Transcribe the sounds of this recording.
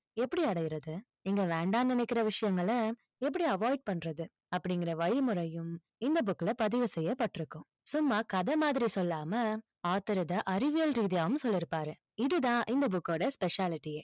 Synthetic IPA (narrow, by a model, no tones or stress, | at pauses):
ɛpːɐɽiɐɽɐjɪɾɐðɯ | ɪŋɡɐʋɛːɳɖaːnd̪ɐnɛkːɪɾɐʋɪʂɐjɐŋɡɐɭɐ | ɛp̬ːɐɽiɐʋaːɪɖ̚pɐɳːɾɐðɯ | ɐpːɐɽɪŋɡɪɾɐʋɐɻɪmɯɾɐjɯm | ɪnd̪ɐbʊkːɪlɐpɐðɪʋɯsɛjːɐpːɐʈːɪɾɯkːʊ̃ | sʊmːaːkɐðɐmaːðɪɾisɔlːaːmɐ | aːt̪ːɐɾɯðɐʔɐɾɪʋɪjɐlɾiːðɪjaːʋɯmsɔlːɪɾɯpːaːɾɯ | ɪðɯt̪ãːʔɪnd̪ɐbʊkːoːɽɐspɛʂaːlɪʈːijeː